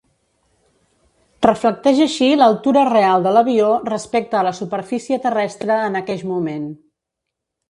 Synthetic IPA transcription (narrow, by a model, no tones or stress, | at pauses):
rəflək̚t̪ɛʒəʃiləlˠt̪uɾərealˠd̪ələβiorəspɛk̚t̪əːləsupəɾfisiət̪ərɛst̪ɾəːnəkɛʎmumen